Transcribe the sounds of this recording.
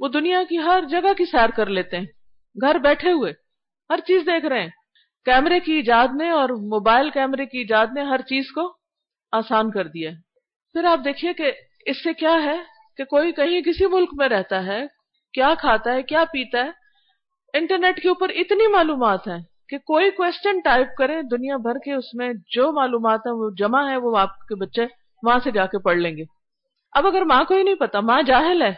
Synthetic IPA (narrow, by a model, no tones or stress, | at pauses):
ʋod̪ʊnijakiɦɐɾd͡ʒɐɡakisɛːɾkɐɾleːt̪eɦɛ̃ː | ɡʱɐɾbɛːʈʰeɦʊeː | hɐɾt͡ʃiːzd̪eːkʰɾɐɦɛ̃ː | kɛːmɾekiːd͡ʒaːd̪neɔːɾmoːbaːɪlkɛːmɾekiɪd͡ʒaːd̪neɦɐɾt͡ʃiːzko | aːsaːnkɐɾd̪ijaɦɛː | pʰɪɾaːp̚d̪eːkʰieke | ɪsːekjaːɦɛ | kekoːikɐɦĩkɪsimʊlkmẽɾɛɦt̪aɦɛ | kjaːkʰaːt̪aɦɛkjaːpiːt̪aɦɛː | ɪ̃ɳʈəɾneːʈkeuːpəɾɪt̪nimaːluːmaːt̪ɦɛ̃ː | kekoːikwɛːst͡ʃənʈaːɪp̚kɐɾẽd̪ʊnijabʱɐɾkeʊsmẽd͡ʒoːmaːluːmaːt̪ɦɛ̃ʋod͡ʒɐmaɦɛ̃ʋoaːp̚kebɐtːʃe | ʋɐɦãsed͡ʒaːkepɐɽlẽːŋɡeː | ɐbɐɡəɾmaãkoːinɐɦĩpɐt̪amãːd͡ʒaːɦɪlɦɛː